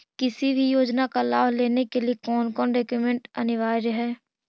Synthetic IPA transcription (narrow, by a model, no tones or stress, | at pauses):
kɪsibʱijoːd͡ʒnakalaːʋleːnekeliekɔːnkɔːnɖeːkjumẽɳʈɐ̰nɪʋaːjɾɦɛː